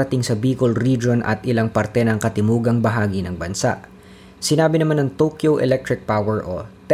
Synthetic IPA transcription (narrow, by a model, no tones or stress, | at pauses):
ɐt̪ɪŋsɐbiːkolɾid͡ʒo̞nʔɐ̰t̪ʔɪlaŋpɐɾt̪ɛnɐŋkɐt̪ɪmuːɡɐŋbɐɦaːɡinɐŋbɐnsa̰ʔ | sɪnaːbɪnɐmanɐŋt̪owkjowʔɛ̰lɛk̚t̪ɾɪk̚pawɛɹʔot̪